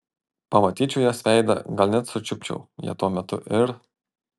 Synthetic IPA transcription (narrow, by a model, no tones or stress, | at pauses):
pɐmɐt̪ʲiːt͡ʃʲʊjɛsʋʲɛɪd̪ɐ̰ɡɐlʲnʲɛt̪sʊt͡ʃʲʊpʲt͡ʃʲɛ̰ʊjḭɛt̪uɔmʲɛt̪ʊ̰ʔɪɾ